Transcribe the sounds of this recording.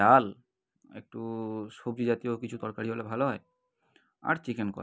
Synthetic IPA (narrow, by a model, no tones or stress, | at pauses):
al | ḛk̚ʈusobd͡ʒid͡ʒat̪ijokit͡ɕʰut̪ɔɹkaɹiɔlɛbʱalɔɦɔj | a̰ɹt͡ʃikenkɔ̰